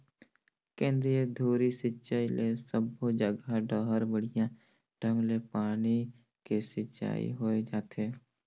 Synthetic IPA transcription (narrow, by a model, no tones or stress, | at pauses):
kẽːnd̪ɾijəd̪ʱoːɾisɪt͡ʃaːilesəbod͡ʒəɡaɖəːɦəɾbəɽijã | ɖʱə̃ŋɡlepaːni | kesɪt͡ʃa̰ːḭɦoed͡ʒaːt̪eː